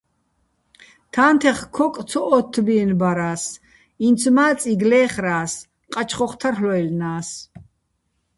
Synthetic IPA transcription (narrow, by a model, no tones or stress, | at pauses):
t̪ʰaːnt̪ʰɛχkʰɔk̪ʼt͡sʰɔʔɔt̪ʰːbiɛnbaɾaːs | int͡sʰmaːt͡sʼiɡlɛːχɾaːs | qʼat͡ʃʰχɔχt̪ʰarhlɔɛlnaːs